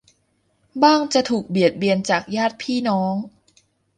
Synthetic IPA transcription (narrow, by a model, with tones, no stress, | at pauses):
baː˥˩ŋt͡ɕa˨˩t̪ʰuː˨˩k̚bi˨˩ət̪̚bi˨˩ənt͡ɕaː˨˩k̚jaː˥˩t̪̚pʰiː˥˩nɔː˦˥ŋ